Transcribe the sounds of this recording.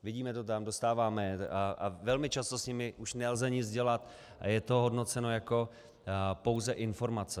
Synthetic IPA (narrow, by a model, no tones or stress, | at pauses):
vɪɟiːmɛt̪ot̪amdo̞st̪aːvaːmɛavɛlmɪt͡ʃast̪o̞sɲɪmɪʔuʃnɛlzɛɲɪt͡sd͡zɟɛlat̪ | a̰jɛt̪o̞ɦo̞dno̞t͡sɛno̞jako̞ | po̞wzɛʔɪnfo̞ɾmat͡sɛ